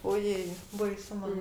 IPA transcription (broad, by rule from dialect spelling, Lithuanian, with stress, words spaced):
oːˈjeːɪ bɐɪˈsʊ ˈmɐn